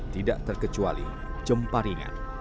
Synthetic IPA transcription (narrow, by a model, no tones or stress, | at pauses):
t̪idaʔt̪ərkət͡ʃualḭ | d͡ʒəmpaɾiŋa̰n